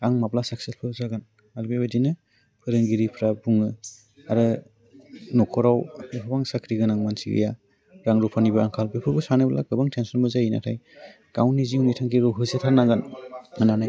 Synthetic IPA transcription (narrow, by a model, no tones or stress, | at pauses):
aŋmaplasaksespʰɯzaɡan | albebadinɯ | pʰɯɾɯŋɡiɾipʰɾabuŋɯ | aɾɯ | nɔkʰɔɾawepʰabaŋsakʰɾiɡɯnaŋmansḭɡɯ̰ja | ɾaŋɾupʰanibaaŋkʰalbepʰɯɾbusanabla̰ɡɯbaŋtʰensɔnbɔzajina̰tʰaj | ɡ̥awnːiziwnitʰaŋkʰiɾɔɦɯzetʰanaɡanananaj